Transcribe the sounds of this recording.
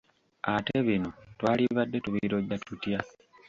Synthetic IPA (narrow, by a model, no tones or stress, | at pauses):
ate̞βino̞twaːliβadːe̞tuβiɾo̞ɟatutja